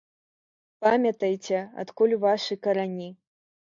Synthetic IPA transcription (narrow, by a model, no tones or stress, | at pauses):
pamʲɐt̪ɐjt͡sʲɛa̰t̪kulʲuvaʂɨkɐɾanʲi